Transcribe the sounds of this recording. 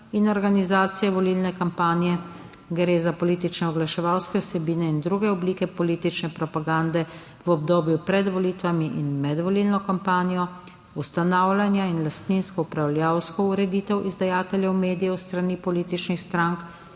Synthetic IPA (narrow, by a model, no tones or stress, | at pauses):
inɔɾɡanizaːt̪sijɛʋɔlilnɛkampaːnijɛ | ɡɾeːzapɔlit̪it͡ʃnɛɔɡlaʃɛʋawskɛusɛbiːnɛind̪ɾuːɡɛɔbliːkɛpɔliːt̪it͡ʃnɛpɾɔpaɡand̪ɛ | ʋɔb̚d̪oːbjupɾɛd̪ʋɔlit̪ʋamiʔinmɛd̪ʋɔliːlnɔkampaːnijɔ | ust̪anawlʲanjainlast̪ninskɔupɾawljawskɔuɾɛd̪iːt̪ɛwʔizd̪ajaːt̪ɛljɛwmeːd̪ijɛwst̪ɾanipɔliːt̪it͡ʃnixst̪ɾaŋk